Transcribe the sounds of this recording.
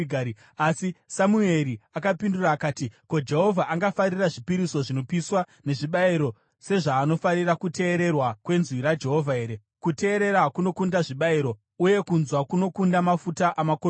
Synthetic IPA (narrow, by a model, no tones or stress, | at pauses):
ɡʱai | asisamue̞ɾiakapinduraːkaːtiko̞d͡ʒe̞ɦo̞vʱaʔaŋɡafaɾiraʐipiɾiso̞ʐino̞piswa | ne̞ʐiɓaiɾo̞ | se̞ʐaːno̞farirakute̞ːɾe̞rwakwe̞nzwiɾad͡ʒe̞ɦo̞vʱae̞ːɾe̞ | kute̞ːɾe̞ɾakuno̞kundaʐiɓaiɾo̞ | uje̞kunzwakuno̞kundamafutaʔamako